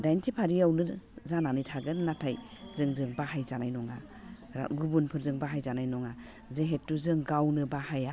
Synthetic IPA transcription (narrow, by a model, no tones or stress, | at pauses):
dajntʰipʰaɾiawnɯzananijtʰaɡɯnːatʰaj | zɯŋzɯŋbahajzanajnɔŋa | ɾa̰ɡubunpʰɯɾzɯŋbaɦajzanajnɔŋa | zeɦetːuzɯŋɡawnɯbahaja